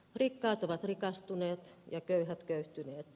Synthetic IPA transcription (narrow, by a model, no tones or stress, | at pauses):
rikːɑːt̪oʋɑt̪rikɑst̪uneːt̪jɑkøyhæt̪køyht̪yneːt̪